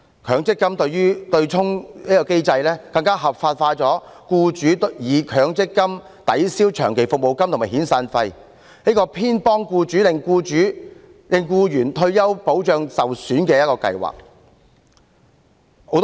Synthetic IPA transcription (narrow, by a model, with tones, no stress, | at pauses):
kʰœː˨˧ŋt͡sɪ˥kːɐ˥mt̪ɵ˧ɥyː˥t̪ɵ˧ɥt͡ʃʰʊ˥ŋiː˥kɔː˧ke˥jt͡sɐ˧jlɛː˥kɐ˧ŋkaː˥ɦɐ˨p̚faː˧t̚faː˧t͡sɔː˨˥kuː˧t͡ʃyː˨˥t̪jiː˨˩kʰœː˨˧˥ŋt͡sɪ˥kːɐ˥m | t̪ɐ˨˥jsiː˥wt͡ʃʰœ̰ː˨˩ŋkʰe˨˩jfʊ˨k̚mo˨wkɐ˥mt̪ʰmaː˨˩ɦiː˨˥nsaː˧nfɐ˧j | niː˥kɔː˧pʰiː˥npɔː˥ŋkuː˧t͡ʃyː˨˥lɪ˨ŋkuː˧t͡ʃyː˨˥ | lɪ˨˩ŋkuː˧jyː˨˩nt̪ʰɵ˧ɥjɐ˥wpo˨˥wt͡ʃœː˧ŋsɐ˨wsyː˨˥nkɛː˧jɐ˥t̚kɔː˧kɐ̰˧jwa̰ː˨˩k̚ | ho˨˧˥wt̪